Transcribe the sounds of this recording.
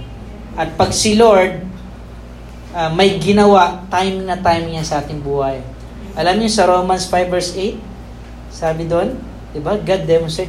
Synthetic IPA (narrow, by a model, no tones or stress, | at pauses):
ʔɐt̪̚pɐɡsɪloɹd̪̚ | ʔamɐjɡɪnɐwaʔt̪ajmɪŋnɐt̪ajmɪŋjɐnsɐʔaːt̪ɪŋbuːhɐj | ʔɐlamɲosɐɾoːmɐnsfajvɛɹsejt̪̚ | saːbɪd̪on | d̪̥ɪbaɡad̪̚ːɛmonsɛ